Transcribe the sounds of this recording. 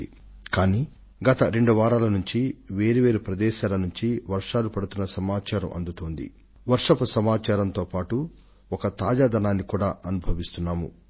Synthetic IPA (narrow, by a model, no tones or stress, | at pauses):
i | kaːniː | ɡɐt̪ɐɾe̞ɳɖuʋaːɾaːlɐnuɲt͡ʃiʋeːɾiʋe̞ːɾupɾɐd̪ɛːʃaːlɐnuɲt͡ʃiʋɐɾʂaːlupɐɽut̪unːɐsɐmaːt͡ʃaːɾɐ̰mʔɐ̰nd̪ut̪oːnd̪ḭ | ʋɐɾʂɐpɐsɐmaːt͡ʃaːɾɐnt̪o̞ːpaːʈu | ɔkɐt̪aːd͡ʒaːd̪ɐnaːnːikuːɽaːʔɐnubʱɐʋist̪unːaːmṵ